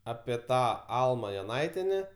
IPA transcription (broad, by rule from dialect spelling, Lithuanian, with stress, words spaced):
ˈɑːpʲiɛ ˈtɑː ˈɐlˠmɐ joːˈnɐɪtʲiɛnʲɛ